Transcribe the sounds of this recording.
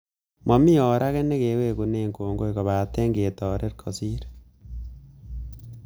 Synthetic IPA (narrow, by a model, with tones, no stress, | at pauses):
ma˨mi˦jɔ˨ɾa˦kɛ˦ne˦ke˨˦we˦ku˨ne˨ŋkoː˨ŋɡo˦i˨ko˨βa˨te˦ŋɡe˨tɔ˨ɾe˦ɾkʰo˨si˦ɾe̥